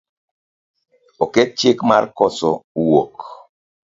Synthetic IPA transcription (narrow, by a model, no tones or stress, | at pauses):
okɛt̚t͡ʃekmarkɔsɔwok